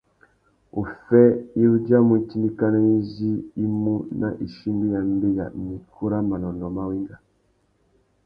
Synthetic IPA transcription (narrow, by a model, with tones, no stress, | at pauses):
u˨fɛ˦i˦ɾu˦d͡ʒa˦mu˨˦t͡ʃi˦ndi˦ka˦na˦i˦zi˦i˦mu˦nʔa̰˨ʔi˨ʃi˦mbi˦ja˨m˦bi˦ja̰˨mi˨kʰu˦ɾa˦ma˨nɔ˨ndɔ˨ma˦wi˦ŋɡa˨